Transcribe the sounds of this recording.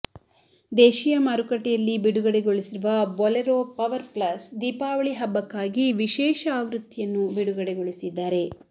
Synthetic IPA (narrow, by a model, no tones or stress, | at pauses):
d̪ɛːʃijɐmaːɾukɐʈɛjɐlːibiɽuɡɐɽeɡoɭisiɾuʋɐbɔleɾoːpɐʋɐɾplɐsd̪iːpaːʋɐɭiɦɐbːɐkːaːɡiʋiʃɛːʃɐaːʋɾut̪ːijɐnːubiɽuɡɐɽeɡoɭisid̪ːaːɾe̞